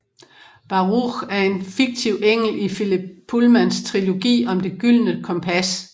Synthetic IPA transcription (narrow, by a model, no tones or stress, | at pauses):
b̥ɑ̈ʁuʁæɐe̝nfiɡ̥̚t͡sʰiʊ̰eŋ̰l̩ifilibʰulmænst͡sʰʁilo̝ɡ̥ḭːɒ̽md̥e̝ɡ̥yl̰nəkʰɒ̽mpʰæs